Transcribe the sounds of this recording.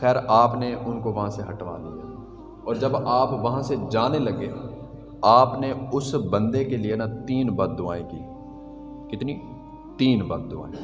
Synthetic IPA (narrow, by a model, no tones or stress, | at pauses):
xɛːɾaːpneʔʊnkoʋɐɦãseɦɐʈʋa̰lia̰ː | ɔːɾd͡ʒɐbaːpʋɐɦãsed͡ʒaːnelɐɡe | aːpneʊsbɐ̃nd̪ekelienat̪iːnbɐd̪̚d̪ʊaːẽkḭː | kɪt̪ni | t̪iːnbɐd̪̚d̪ʊa̰ːẽ